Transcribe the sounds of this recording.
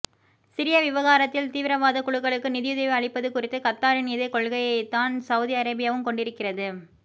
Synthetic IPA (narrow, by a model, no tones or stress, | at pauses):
sɪɾɪjɐʋɪʋɐɣaːɾɐt̪ːɪlt̪iːʋɪɾɐʋaːðɐkʊɭɯkːɐɭɯkːɯnɪðɪjɯðɐʋiɐɻɪpːɐðɯkʊrɪt̪ːɯkɐt̪ːaːɾɯniːðɐkɔɭɣɐjɐɪt̪ːaːnsɐʊðiɐɾɐbɪjaːʋɯmkɔɳɖɪɾɯkːɪrɐðɯ